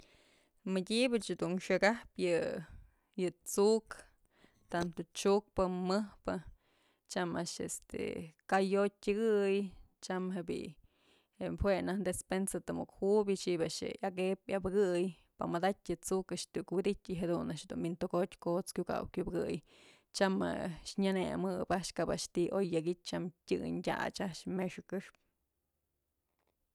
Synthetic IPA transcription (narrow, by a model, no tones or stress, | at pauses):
mɨdʲibat͡ʃd̪unʂɨɡapjɨ | jɨt͡suk | t̪ant̪ot͡ʃuk̚pɨmɨhpɨ | t͡ʃamaʔʂḛst̪ḛkajotʲɨɡɨj | t͡ʃamɦebḭ | epʰwenahd̪espensat̪ɨmukhubit͡ʃiʔbaʔʃḛakepjabɨɡɨj | paʔmad̪atʲɨt͡sukaʔʃt̪ʲukwid̪itʲiɦed̪unaʔʃhd̪unbint̪oɡotʲkot͡skʲuka̰wkʲubɨɡɨj | t͡ʃama̰ʃɲanemɨbaʔʃkabaʔʃt̪iʔojːaɡit͡ʃ̚t͡ʃamtʲɨ̰ɲdʲa̰t͡ʃaʔʃmeʂɨkɨʂp̚